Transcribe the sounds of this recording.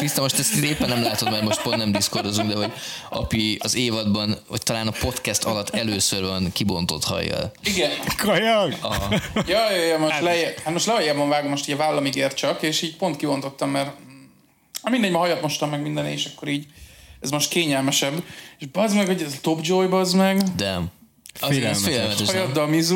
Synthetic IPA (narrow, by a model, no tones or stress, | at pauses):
t̪ist̪ɛmo̞ʃt̪ɛst̪ieːpːɛnːɛmlaːt̪o̞t̪mɛrmo̞ʃt̪̚pont̪nɛmd̪isko̞rd̪ozuŋɡd̪ɛɦo̞ɟɒ̰piɒzeːvɒd̪bɒno̰ct̪ɒlaːnɒpo̞t̪kɛst̪ʰɒlɒt̪ːɛløːsørvɒnkibo̞nt̪o̞t̪hɒ̰jːɒ̰liɡɛnkʰɒjɒɡɒɦɒjɒːjjɒmoʃlɛhat̪moʃt̪lɛɦɒjaːbɒɱvaːɡomːoʃt̪iːɟɒvaːlːɒmiɡeːrt̪̚t͡ʃɒkeːʃiːɟpo̞nt̪kibo̞nt̪o̞t̪ːɒmːɛr | ɒmind̪ɛɲɟmɒɦɒjɒt̪mo̞ʃt̪ɒmːɛɡmind̪ɛnḛːʃɒkːo̞ɾiːɟɛzmoʃt̪keːɲɛlmɛʃɛbːeʃbɒzmɛɡhoɟɛzt̪o̞bd͡ʒojbɒzmɛɡd̪ɛm | feɛlmɛt̪ɛʃjɒd̪ːɒmizu